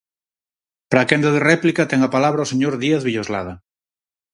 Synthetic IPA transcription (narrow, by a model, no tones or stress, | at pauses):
pɾakend̪aðerɛplikat̪ɛŋapalaβɾaoseɲoɾðiaθβiʎozla̰ð̞a